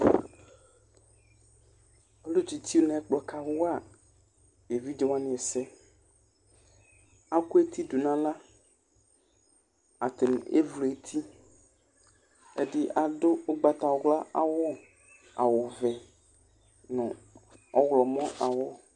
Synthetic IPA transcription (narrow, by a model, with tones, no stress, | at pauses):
o˦lo˦t͡ʃi˨t̪i˦wo˦nɛ̃˨ɛ˦k͡plɔ˨ka˨wʊ˦a˨ | e˨vi˦de˦wa˦nɪ̃˨ɛ˨sɛ˦ | a˦ku˦e˦t̪ʰi˦du˨nã˦la˦ | a˨t̪ɪ˨n˨ḛ˦vle˨t̪ʰi˦ | e˦dɪ˦ʔa˨dʊ˦o˦ɡ͡ba˨t̪a˨wɔ˦ɣla˦a̰˨wɔ˦ | a̰˨wʊ˨vɛ˨ | nʊ̰̃˨ | ɔ˦ɣlɔ˨mɔ̃˦ʔa˨wɔ˦